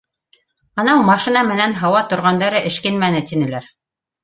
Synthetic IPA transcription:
ɑnɑwmɑʃinɑmɘ̆nænɦɑwɑt̪ŏɾʁɑnd̪ɑɾɤʔɘ̆ʃkɘnmænɘt̪inɘ̆læɾ

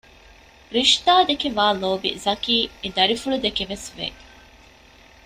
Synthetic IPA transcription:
ɾiʃt̪aːd̪ekeʋaːloːbḭzɐkiːed̪ɐɾifuɭud̪ekeʋesʋḛː

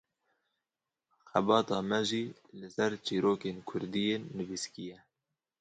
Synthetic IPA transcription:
xɛbɑːt̪ɑːmɛʒiː | lɨsɛɾt͡ʃiːɾoːkeːnkʰʊɾd̪ijeːnːɨviskijɛ

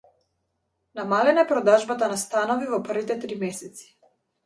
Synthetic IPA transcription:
namalɛnaɛpɾɔd̪aʒbat̪anast̪anɔvivɔpr̩vit̪ɛt̪ɾimɛsɛt̪si̥

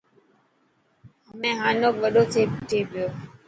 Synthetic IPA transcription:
ɦəmẽɦãːnõːʋəɗoːtʰeːpʈʰeːbjoː

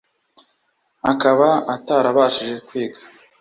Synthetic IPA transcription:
akaβaataːɾaβaːʃiʒe̞kwiːɡḁ

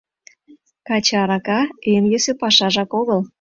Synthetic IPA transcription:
kɑt͡ɕɑɾɑkɑemjø̆sĕpɑʃɑʒɑkoɣəl

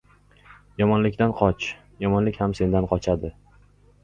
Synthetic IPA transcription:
jɒmɒnlɪkʲt̪anqʰɒt͡ʃ | jɒmɒnlɪkʲhamse̞nd̪anqʰɒt͡ʃʰad̪ɪ

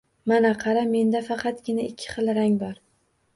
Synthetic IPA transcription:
manaqʰɑɾame̞nd̪afɑqʰɑt̪ɡʲɪnaɪkʲʰːɪ̥χɨlˠɾaŋbaɾ

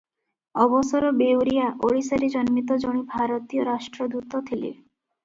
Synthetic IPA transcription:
ɔbɔsɔɾɔbewɾijaʔoɽisaɾid͡ʒɔnmit̪̬ɔd͡ʒoɽ̃ibʱaɾɔt̪ijɔɾaʃʈɾɔd̪ut̪ɔt̪ʰilḛ

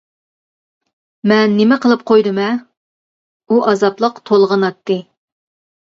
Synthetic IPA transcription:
mɛnːɪmɛqəlˠɨp̚qʰojd̪ɨmɛ | uʔɑzɑplˠəqt̪ʰolˠʁənɑt̪ːɨ

